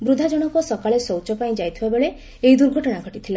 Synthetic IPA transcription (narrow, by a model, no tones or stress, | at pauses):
bɾud̪ʱad͡ʒɔɽ̃ɔkɔsɔkaɭesowt͡ʃɔpaĩd͡ʒajt̪ʰibabeɭe | ejd̪uɾɡʱɔʈɔɽ̃aɡʱɔʈit̪ʰila